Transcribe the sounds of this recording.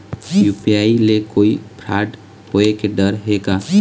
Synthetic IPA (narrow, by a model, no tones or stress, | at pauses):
jupijailekoːipʰɾaːɖ | hoekeɖəɾɦeɡa